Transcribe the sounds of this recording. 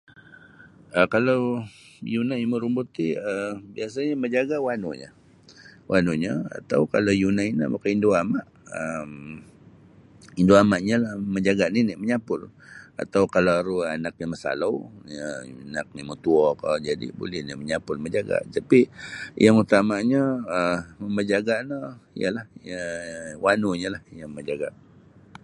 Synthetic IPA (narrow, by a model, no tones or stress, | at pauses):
ʔəkalaw | junajməɾumbut̪iəbias̬aɲaməɲd͡ʒaɡawanuɲə̰ | wʔanuɲəa̰t̪awkalawjunaina̰ʔmakaindoamaʔəm | indoamaʔɲəlahməɲd͡ʒaɡaniniʔməɲapʊra̰t̪awkalaɾuanak̚nəməsa̰lawənak̚nimət̪uɔkəd͡ʒadḭbo̰lɛhniʔməɲapʊlməd͡ʒaɡa̰ʔt̪apijaŋut̪amaɲəəəməd͡ʒaɡaʔnəijə̰lahəwanuɲəlahjaŋməd͡ʒaɡa̰ʔ